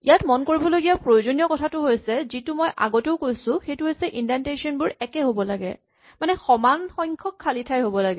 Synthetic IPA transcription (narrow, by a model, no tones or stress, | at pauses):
ḭjatmɔnkoɹibɔloɡijapɹojozonijɔkɔtʰatʊɦojsɛzitumɔjʔa̰ɡoteʊkojsʊ̃xejtʊɦojsɛʔindantesɔnbʊɹɛkɛɦobɔlaɡɛ̰ | manɛxɔmanxɔjŋkʰɔkʰːalitʰajɦobɔlaɡɛ